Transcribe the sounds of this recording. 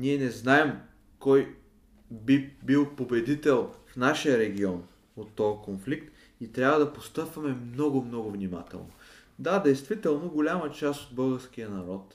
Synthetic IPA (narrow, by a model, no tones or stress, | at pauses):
niɛnɛznaɛm | kɔj | bibilˠpobɛd̪it̪ɛlˠfnaʃijəɾɛɡʲiɔn | ot̪ːɔkonflik̚t̪ | it̪ɾʲjavɐd̪ɐpost̪ɤpvɐmɛmnɔɡʊmnɔɡʊvnʲima̰t̪ɛ̰lˠno̰ | d̪ad̪ɛjst̪vit̪ɛlˠnoɡolʲamət͡ʃast̪od̪̚bɤlˠɡəɾsk̟ijənɐɾɔt̪